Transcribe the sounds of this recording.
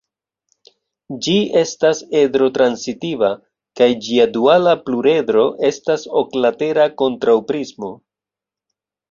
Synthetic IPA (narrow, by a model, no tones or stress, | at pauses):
d͡ʒie̞stase̞dɾo̞tɾansitiva | kajd͡ʒiadualapluɾe̞dɾo̞ʔe̞stasoklate̞ɾako̞ntɾawpɾizmo̞